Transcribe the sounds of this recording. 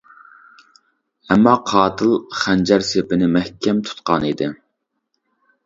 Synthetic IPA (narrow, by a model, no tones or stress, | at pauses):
ɛmːɑqʰɑːt̪ʰɨlˠχænd͡ʒɛɾsepɪnɪmɛhkʲʰɛmt̪ʰu̥t̪qɑnid̪ɪ